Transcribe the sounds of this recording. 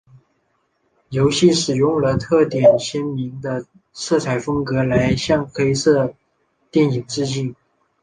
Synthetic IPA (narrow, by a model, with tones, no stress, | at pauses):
jo˧˥ʊɕi˥˩ʂɻ̩˨˩jʊ˥˩ŋlə˨t̪ʰɤ˥˩t̪jɛ˨˩nɕə˥nmi˧˥ŋd̪ə˧ | sɤ˥˩t͡sʰa˨˧˩ɪfɤ˥ŋkɤ˧˥la˧˥ɪɕjɑ˥˩ŋxe˥ɪsɤ˥˩ | t̪jɛ˥˩ni˨˩ŋʈ͡ʂɻ̩˥˧t͡ɕi˥˩n